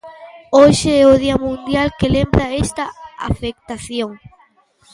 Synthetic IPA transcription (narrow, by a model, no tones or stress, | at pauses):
oʃeɛoðiɐmũnd̪jalkelembɾaest̪ɐa̰fek̚t̪aθjoŋ